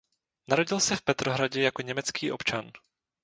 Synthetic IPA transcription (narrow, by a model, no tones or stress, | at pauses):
naɾo̞ɟɪlsɛfpɛt̪ɾoɦɾaɟɛjako̞ɲɛmɛt͡skiːʔo̞̰pt͡ʃan